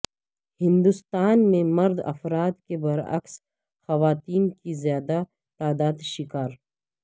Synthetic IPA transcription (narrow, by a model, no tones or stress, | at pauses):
hɪ̃nd̪ʊst̪aːnmẽmɐɾd̪ɐ̰fɾaːd̪kebɐɾɐ̰ks | xɐʋaːt̪iːnkizjaːd̪a | t̪aːd̪aːd̪ʃɪkaːɾ